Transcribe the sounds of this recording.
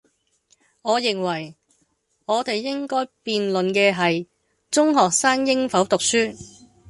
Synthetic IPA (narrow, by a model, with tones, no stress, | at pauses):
ŋɔː˨˧jɪ˨ŋwɐ˨˩j | ŋɔː˨˧t̪e˨jːɪ˥ŋkɔː˥jpiː˨nlɵ˨nkɛː˧ɦɐ˨j | t͡sʊ˥ŋɦɔː˨k̚saː˥ŋjɪ˥ŋfɐ˨˥wt̪ʊ˨k̚syː˥